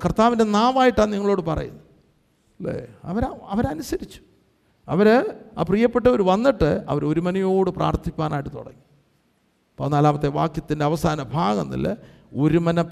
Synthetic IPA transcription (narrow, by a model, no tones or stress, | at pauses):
krt̪aːʋinde̞naːmaːjiʈːaːnniŋːɐɭo̞ːɽɨpɐrɐ̰jṵnːu | lḛːɐ̰ʋɐɾaɐʋɐɾɐnusɐɾit͡ɕːu̥ | ɐ̰ʋɐɾaːprijɐpːe̞ʈːɐoɾuʋɐnːiʈːɨɐ̰ʋɐɾo̞ɾumɐnɐjo̞ːɽɨpra̰ːrt̪ʰikʲːaːnaːjiʈːɨt̪o̰ɽɐ̰ŋːi | ponːaːlaːmɐt̪ːeʋaːkjɐt̪ːindeɐʋɐsaːnɐbʱaːɣɐ̰nːḭlːe | oɾumɐnɐ